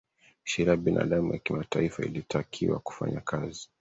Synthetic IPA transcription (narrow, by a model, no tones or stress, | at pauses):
ʃiɾiaɓinʔa̰ɗamujakimatʰaifaḭlitʰakʰiwa̰ku̥fa̰ɲakʰazi